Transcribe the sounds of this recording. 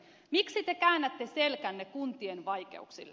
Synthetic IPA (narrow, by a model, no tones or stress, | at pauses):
miksit̪ekæːnːæt̪ːeselkænːekunt̪ienʋɑjke̞̰uksḭl